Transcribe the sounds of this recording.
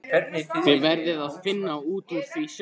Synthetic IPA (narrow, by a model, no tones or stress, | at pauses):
ɛnɪθɪvɛɾðɪðaðfɪnːauːt̪uɾθis